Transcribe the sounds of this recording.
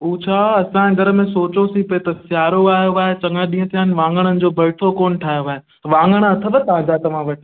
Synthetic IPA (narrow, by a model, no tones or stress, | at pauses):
uːt͡ɕʰaːɐsãẽɡʱɐɾə̆mẽsoːt͡ɕosipɐet̪ɐsjaːɾoaːɦjoaːɦet͡ɕɐ̃ŋɡəɗĩːə̃t̪ʰijaːɦɪnɪ̆ʋãːŋɡəɽ̃ənɪ̆d͡ʑoːbʱɐːʈʰokoːnʈʰaːɦijoaːɦe | ʋãːŋɡəɽ̃ɐt̪ʰəbət̪aːd͡ʑat̪ɐʋ̤ãʋɐʈʰ